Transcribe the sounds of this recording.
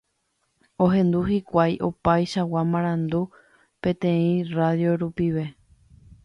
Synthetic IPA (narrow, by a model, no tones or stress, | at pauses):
o̞ɦẽ̞nd̪uhikʷajʔo̞pajʃawamãɾ̃ãnd̪u | pẽ̞t̪ẽ̞ĩraðjo̞ɾupiʋe̞